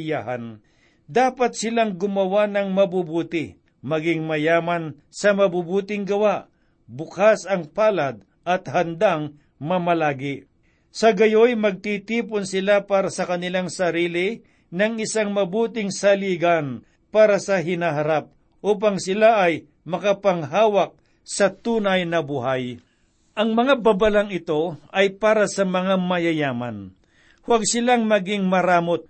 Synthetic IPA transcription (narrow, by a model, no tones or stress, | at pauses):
jaɦan | d̪aːpɐt̪̚sɪlaŋɡʊmɐwanɐŋmɐbubuːt̪ɪ | mɐɡɪŋmɐjaːmɐn | sɐmɐbubuːt̪ɪŋɡɐwaʔ | bʊkasɐŋpaːlad̪̚ | ʔɐt̪̚hɐnd̪aŋ | mɐmɐlaːɡɪ | sɐɡɐjojmɐɡ̚t̪it̪iːponsɪlapaːɾɐsɐkɐnɪlaŋsɐɾiːlɪ | nɐŋɪsaŋmɐbuːt̪ɪŋsɐliːɡɐn | paːɾɐsɐɦɪnaɦɐɾap̚ | ʔuːp̬ɐŋsɪlaʔɐj | mɐkɐpɐŋɦaːwɐk̚ | sɐt̪uːnɐjnɐbuɦaj | ʔɐŋmɐŋabɐbɐlaŋɪt̪o̞ʔɐjpaːɾɐsɐmɐŋamɐjɐjaːmɐ̰n | hwaɡ̚sɪlaŋmɐɡɪŋmɐɾaːmot̪̚